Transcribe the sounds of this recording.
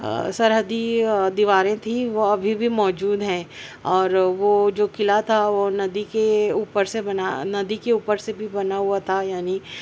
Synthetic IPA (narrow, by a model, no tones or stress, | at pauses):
sɐɾɦəd̪id̪iʋaːɾẽt̪ʰiʋoɐbʱibʱimɔːd͡ʒuːd̪ɦɛ̃ːɔːɾʋod͡ʒoːkɪlat̪ʰaʋonɐd̪ikeuːpəɾsebɐnanɐd̪ikeuːpəɾsebʱibɐnaɦuat̪ʰajaːni